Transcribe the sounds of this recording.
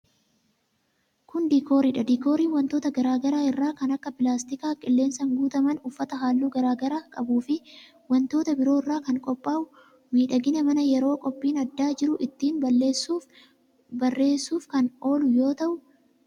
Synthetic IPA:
kʊnd̪iːkoːɾiːᶑɐd̪iːko̞ːɾiːnwɐnt̪o̞ːt̪ɐɡɐɾaːɡɐɾaːɪrːaːkɐnɐkːɐpɪlaːst̪ɪkaːkʼɪlːe̞ːnsɐŋɡuːt̪ɐmɐnʊfːɐt̪ɐɦaːlːuːɡɐɾaːɡɐɾaːkʼɐbuːfɪ | wɐnt̪o̞ːt̪ɐbɪɾo̞ːɪrːaːkɐŋkʼɔpʼːaːʔʊ | miːᶑɐɡɪnɐmɐnɐjɛɾo̞ːkʼɔpʼːiːnɐd̪ːaːd͡ʒɪɾʊʔɪt̪ːiːnbɐlːeːsuː | bɐrːe̞ːsːuːfkɐno̞ːlʊjo̞ːt̪ɐʔʊ

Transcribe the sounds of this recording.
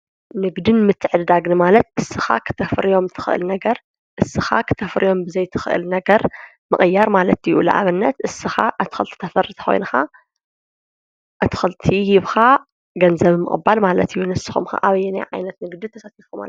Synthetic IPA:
nɨɡd̪ɨnmɨt̪ʰːɨʕɨd̪d̪aɡnɨmalɐt̪̚ʔɨsːɨxa̰kʰɨ̥t̪ʰɐfɾijo̞mt̪ʰɨ̥xɨʔɨ̰lnɐɡɐɾ | ʔɨsːɨxa̰kʰɨ̥t̪ʰɐfɾijo̞mbɨzɐjt̪ʰɨ̥xɨʔɨ̰lnɐɡɐɾ | mɨχʼɨjːaɾmalɐt̪jṵlɐ̰ʔa̰βɨnːɐt̪ʔɨsːɨxa̰ʔɨt̪ʰɨ̥xɨlt̪ʰɨ̥t̪ʰɐfɐrɨt̪ʰɐ̥xo̞̰jnɐxa | ʔɨt̪ʰɨ̥xɨlt̪ʰijɪβxa | ɡɐnzɐβmɨ̰χʼɨ̰bːalmalɐt̪ʰɨjːunɨsɨ̥xṵmxa̰ʔaβɐjɛnɐ̰ʕa̰jnɐt̪nɨɡd̪ɨt̪ʰɐsat̪ifuma̰l

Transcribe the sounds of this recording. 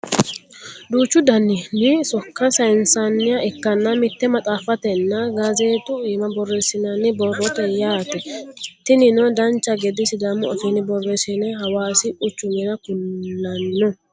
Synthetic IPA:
d̪uːt͡ʃːʊd̪ɐnːɪnɪsɔkːɐsɐjɪnsɐnːɪjɐɛkːɐnːɐmɪt̪ːɛmɐt̪ʼaːfɐt̪ɛnːɐɡazeːt̪ʊiːmɐbɔrːesɪnɐnːɪbɔrːɔt̪ɛjaːt̪ɛt̪ɪnɪnɔd̪ɐnt͡ʃːɐɡɛd̪ɪsɪd̪ɐmːʊɐ̰fiːnɪbɔrːɛsɛnɛɦɐwaːsɪʔʊt͡ʃːʊmɛnɐkʊnːɐnːɪnɔ

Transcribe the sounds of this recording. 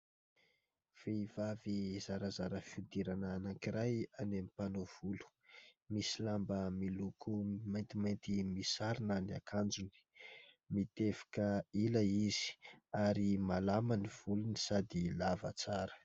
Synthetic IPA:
v̥eiv̥avizaɾəzaɾəfiud̪iɾanaːnaŋkiɾajanemipanov̥ulu̥ | misilambəmilukʰumajnt̪imajnt̪imisaɾinaniakʰand͡zuni̥ | mit̪efḁkəiləizi̥aɾimalamaniv̥uluni̥sad̪ilavət͡saɾə̥

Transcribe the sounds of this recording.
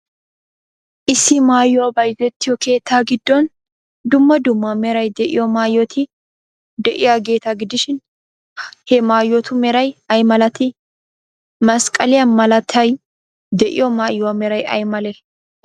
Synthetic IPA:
ʔɪsːɪmaːjːɔabɐjzɛt̪ːɪjɔke̞ːt̪ːaːɡɪd̪ːɔn | d̪ʊmːɐd̪ʊmːɐmɛɾɐjd̪ɛʔɪ̰jɔmaːjːɔt̪ʰɪ | d̪ɛʔɪjaɡe̞ːt̪aɡɪd̪ɪʃɪn | hɛmaːjːɔt̪ʊmɛɾɐjɐjmɐlɐt̪ɪ | mɐskʼɐlɪjɐnmɐlɐt̪ʰːɐj | d̪ɛʔɪ̰jɔmaːjːʊwamɛɾɐjɐ̰jmɐlɛ

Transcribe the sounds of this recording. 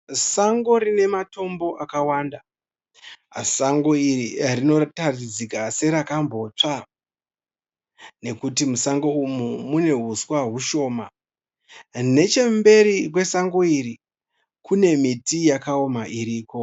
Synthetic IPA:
saŋɡo̞rine̞mato̞mbo̞ʔakawaːnda | saŋɡoiririno̞tarid͡zikase̞ɾakambo̞ːt͡ʂa | ne̞kutimusaŋɡo̞umumune̞ɦuswaɦuʃo̞ːma | ne̞t͡ʃe̞mbe̞ɾikwe̞saŋɡoiɾi | kune̞mitijakaomaʔiɾiːko̞

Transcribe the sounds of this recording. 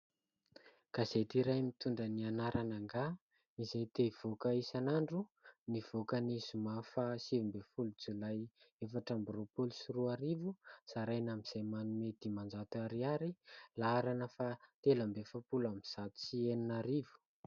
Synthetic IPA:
ɡ̥azet̪iɾajmit̪uɳɖ͡ʐənianaɾʔanaŋɡa | izajt̪ev̥okəisanaɳɖ͡ʐuniv̥okənizumafasivumbefulud͡zulajefaʈ͡ʂambropolusuruaɾivusaɾajnamiz̥ajmanumed̪̥imand͡zat̪uaɾiaɾilaaɾanəfat̪eləmbefapulamiz̥at̪u̥sieninaɾivu̥

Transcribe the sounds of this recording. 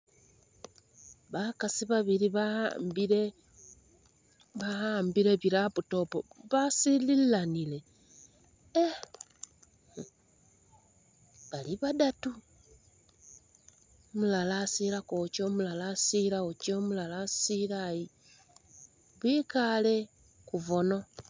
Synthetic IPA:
βakasiβaβiɾiβa̰mbiɾe | βahambiɾeβiɾaβuto̞poβasililːanile̞ | e | βaliβadatu | mulalasiɾakot͡ʃomulalasiɾaut͡ʃomulalasilaji | βwikale̞ | kuvono̞

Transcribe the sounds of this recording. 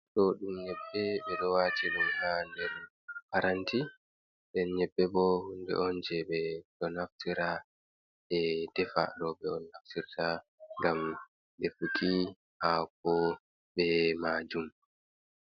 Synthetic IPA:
ɗɔɗumɲɛɓːɛɓɛɗɔwaːtiɗumhandɛɾ | paɾanti | ɗɛnɲɛɓːɛbɔhundɛ̰ʔɔnd͡ʒɛɓɛɗɔnaftiɾa | ʔɛdɛfa̰ɗɔɓɛɔnːaftiɾta | ŋɡam | ɗɛfukʰi | hak̚ɔ | ɓɛmaːd͡ʒum

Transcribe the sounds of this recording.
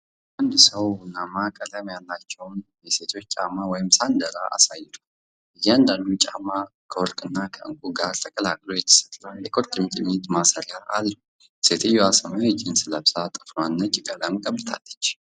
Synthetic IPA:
ʔand̪səwnːamakʼələmjalːat͡ʃːɛwnjɛse̞t̪ʰo̞t͡ʃːt͡ʃʼamawɔjɪmsand̪əɾa̰ʔa̰sajːɪt̪ʰḁ | ʔɨjːɛand̪and̪ut͡ʃʼa̰makʰəwɔlkʼɨnːakʰəʔɨ̰ŋkʷʼuɡaɾt̪ʰəkʼəlakʼlojɛt̪ʰə̥sə̥t̪ʼlanjɛkʼoɾt̪ʼɨmt͡ʃʼɪnit̪masəɾjaʔa̰lːəu | se̞t̪ʰɨjːoasəmawɪd͡ʒɪnsɨləbsat̪ʼɨ̥fnanːət͡ʃʼɪkʼələmkʼəbːɨt̪ʰa̰lːət͡ʃː

